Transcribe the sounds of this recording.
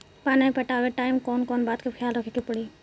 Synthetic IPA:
paːnaipɐʈaːʋeʈaːɪmkoːnkoːnbaːt̪̚kʰexʰjaːlɾokʰikɪpɽiː

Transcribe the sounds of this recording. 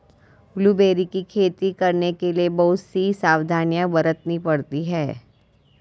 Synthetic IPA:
blubeːɾikikʰeːt̪ikɐɾnekeliebɐɦʊt̪sisaːwd̪ʱaːnjabɐɾət̪nĩpɐɽt̪iɦɛː

